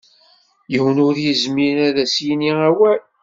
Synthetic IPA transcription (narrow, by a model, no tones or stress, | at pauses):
jəwnʊɾjəzminæðæsjiniæwæl